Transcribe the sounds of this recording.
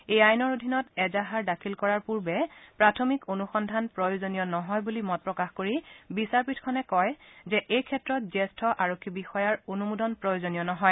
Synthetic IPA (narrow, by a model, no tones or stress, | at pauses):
ejajnɔɹodʱinɔtɛzaɦaɹdakʰilkɔɹaɹpuɹbɛpɹatʰomikonuxɔndʱanpɹɔjozonijɔnɔɦɔjbulimɔt̚pɹɔkaxkoɹibisaɹpitʰkʰɔnɛkɔjzɛʔejkʰɛtɹɔt̚zɛstʰɔʔaɹokʰːibixɔjaɹonumudɔnpɹɔjozonijɔnɔɦɔj